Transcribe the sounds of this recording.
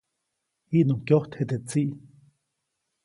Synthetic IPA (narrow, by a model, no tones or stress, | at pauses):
hiʔnoŋkjoht̪het̪et͡siʔ